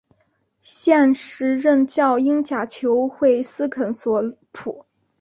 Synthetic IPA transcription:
ɕjɛ˥˧nʂɻ̩˧˥ɻə˥˧nt͡ɕjɑ˥˧ʊi˥ŋt͡ɕja˨˩t͡ɕʰjo˧˥ʊxwe˥˩ɪsɹ̩˥kʰə˧˩nswɔ˧˩ | pʰu˨˩˦

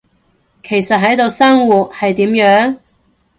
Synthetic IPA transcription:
kʰe˨˩jsɐ˨t̚ɦɐ˨˥jt̪o˨˧wsɐ˥ŋwuː˨t̚hɐ˨jt̪iː˨˥mjœː˨˥ŋ

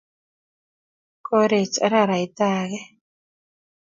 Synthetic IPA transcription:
ko˦ɾe˨t͡ʃʼa̰˦ɾa˦˨ɾa˨i˨t̪a˦ɣɛ˦

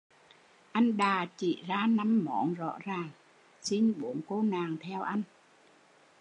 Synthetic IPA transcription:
ʔa˧jnɗaː˨˩t͡ɕḭ˧˨zaː˧na˧mːɔ˧˩nzɔ̰˧˥zaː˨˩ŋ | si˧nɓu˧˨˦ənko˧naː˨˩ŋt̪ʰɛ˧wʔa˧jŋ

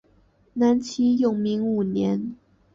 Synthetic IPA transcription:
na˧˥nt͡ɕʰi˥jʊ˨˩ŋmi˧˥ŋu˨˩njɛ˧˥n

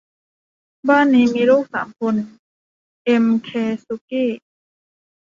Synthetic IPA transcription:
baː˥˩˨nːiː˦˥miː˧ɾuː˥˩k̚saː˩˦mkʰo˧n | ʔe˧mkʰeː˧su˧˥kiː˥˩

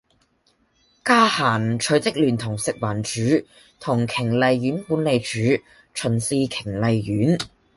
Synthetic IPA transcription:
kaː˥haː˨˩nt͡ʃʰɵ˨˧˥t͡sɪ˥k̚lyː˨˩nt̪ʰʊ˨˩ŋsɪ˨k̚waː˨˩nt͡ʃyː˨˧˥ | t̪ʰʊ˨˩ŋkʰɪ˨˩ŋlɐ˨˧jjyː˨˥nkuː˨˧˥nle˨˧jt͡ʃyː˨˥ | t͡ʃʰɵ˨˩nsiː˧kʰɪ˨˩ŋlɐ˨˧jjyː˨˥n

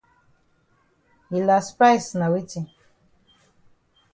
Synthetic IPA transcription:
i˨la˨spa˦jsna˨wi˦ti˨

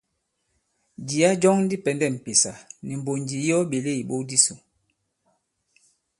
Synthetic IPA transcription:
d͡ʒi˨a˦d͡ʒɔ˦ŋn̩˦di˦pɛ˨ndɛ˦˨m̩˨pe˨sa˨ni˨m̩˨bo˨nd͡ʒi˨˦jɔ˦ɓe˨le˦˨i˨ɓo˦di˦su˨

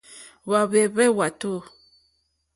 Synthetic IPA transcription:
βa˨βe˨βɛ˦wa˨to˦˨

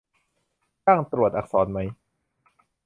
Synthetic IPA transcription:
t͡ɕaː˥˩ŋt̪ɾu˨˩ət̪ʔa˨˩k̚sɔː˩˦nma˦˥j

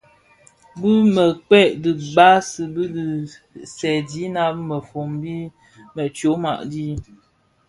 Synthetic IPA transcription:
bɨ˦mə˨k͡pɛ˦˨ʔdɨ˨ɡ͡ba˦sɨ˨bɨ˦di˨ | sɛ˨di˨˦na˦p̚mə˨fo˨mbi˦ | mə˨t͡ʃo˨˦ma̰˨ʔdi˦

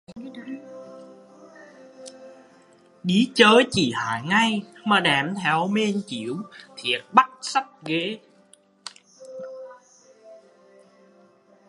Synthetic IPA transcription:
ɗi˨˦t͡ɕəː˨˦jt͡ɕi˧˨˩ha̰ː˧˨jŋa˧jmaː˨˩ɗɛː˨˩mt̪ʰɛ˨˦wme˧nt͡ɕi˧˩˦əwt̪ʰi˨˩ət̚ɓa˦˥t̚sa˦˥t̚ɣe˨˦

